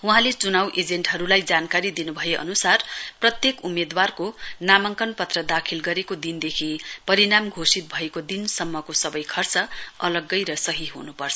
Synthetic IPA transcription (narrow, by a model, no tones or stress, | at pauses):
uɦãlet͡sunawʔed͡zeɳʈɦʌɾulajd͡zankaɾid̪inubʱʌjeʔʌ̰nusarprʌt̪jekumed̪warkonamʌŋkʌnpʌt̪rʌd̪akʰilɡʌɾekod̪ind̪ekʰipʌɾiɾamɡʱosit̪̚bʱʌekod̪insʌmːʌkosʌbʌjkʰʌrt͡sʌʌlʌɡːʌjɾʌsʌɦiɦṵnupʌrt͡sʰʌ